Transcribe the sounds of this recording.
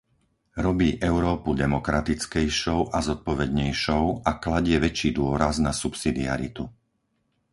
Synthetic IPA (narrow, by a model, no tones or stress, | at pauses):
ɾɔbiːʔɛʊɾɔːpud̪ɛmɔkɾat̪it͡skɛjʃɔʊʔazɔt̪̚pɔʋɛd̪ɲɛjʃɔʊaklaɟɪɛʋɛt͡ʃiːd̪ʊɔɾaznasupsid̪ia̰ɾit̪u